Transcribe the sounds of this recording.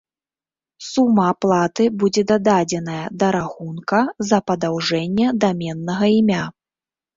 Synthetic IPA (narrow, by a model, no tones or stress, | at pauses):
sumːɐːplˠat̪ɨbud͡zʲɛd̪ad̪ad͡zʲɛn̪ɐjɐd̪ɐɾaxunkɐzɐpɐd̪awʐɛnʲːɛd̪amʲɛnːɐɣɐimʲa